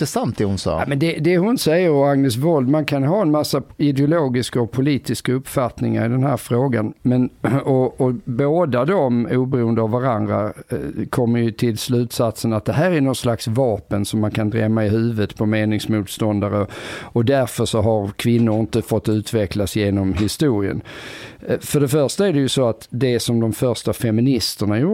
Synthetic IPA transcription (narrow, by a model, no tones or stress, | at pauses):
ɛsant̪̚d̪ɛhʊnsɑ̰ːamɛnd̪ɛd̪ɛhʊnsɛjːəɾɔaŋnəs̬vɔld̪mankʰanɦɑːɛnmasːaɪd̪ɛʊloːɡɪskaɔpʰʊliːt̪ɪskaɵpːfat̪nɪŋa̰ɾɪd̪ɛnɦæːɾfɾoːɡanmɛnɔɔboːd̪ad̪ɔmuːbɛɾuːənd̪əavvaɾand̪ɾa̰kʰɔmːəɾjɵt̪ʰɪlslʉ̟ːt̪sat̪sənat̪̚d̪ɛɦæːɾæɾnɔnslaksvɑːpənsɔmːankʰand̪ɾɛmːaɪɦʉ̟ːvət̪pʰɔmeːnɪŋsmuːt̪st̪ɔnd̪aɾəɔd̪æɾfœʂɔɦaɾkʰvɪnːʊɾɪnt̪əfɔt̪ːʉ̟ːt̪ʰvɛklasjeːnɔmɦɪst̪uːɾɪə̰n | fœɖɛfœɾʂt̪aæɖɛjɵsoat̪d̪ɛsɔmd̪ɔmfœɾʂtafɛmɪnɪst̪əɳaju